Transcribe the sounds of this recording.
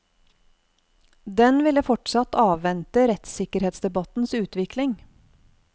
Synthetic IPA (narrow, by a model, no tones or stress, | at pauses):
d̪ɛnʋɪləfɔʈsɑt̪ʰɑːʋʋɛnt̪əɾɛt̪sɪkəɾheːt̪sd̪ɛbɑt̪n̩sʉːt̪ʋɪklɪŋ